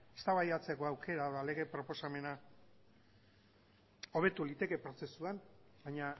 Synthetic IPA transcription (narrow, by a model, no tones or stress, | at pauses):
est̪aβajat͡se̞ko̞awke̞ɾaðale̞ɣe̞pɾo̞po̞same̞na | o̞β̞e̞t̪ulit̪e̞ke̞pɾo̞se̞suan | bajɲa